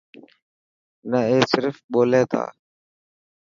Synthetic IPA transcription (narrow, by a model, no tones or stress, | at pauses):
nəeːsɪɾfɓoːleːt̪ʰa̰ː